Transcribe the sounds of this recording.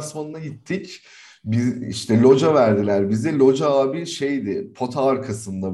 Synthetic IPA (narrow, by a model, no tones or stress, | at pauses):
smanɯnajit̪ʰːic | biḭʃt̪ʰɛlʲo̞d͡ʒavæɾd̪ilʲæɾbizd̪ɛlʲo̞d͡ʒaaːbiʃe̞jd̪ɪpʰo̞t̪ʰaːɾkʰasɯnd̪a